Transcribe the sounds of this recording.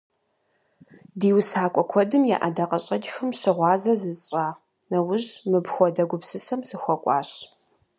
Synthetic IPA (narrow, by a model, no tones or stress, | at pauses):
diːwsaːkʷʼɔkʷʰɔdɨmja̰ːʔadɐqɐɕʼɐd͡ʒxɨmɕɪʁʷɑːzɐzɨzɕʼaː | nɐwʊʑmɨbxʷɔdɐɡʷʊpsɨsɐmsɨxʷɔkʷʼɑ̰ːɕ